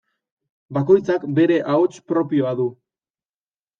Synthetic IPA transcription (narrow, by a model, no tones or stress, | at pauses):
bako̞jt͡sakbe̞ɾe̞ʔaot͡ʃpɾo̞pio̞aðu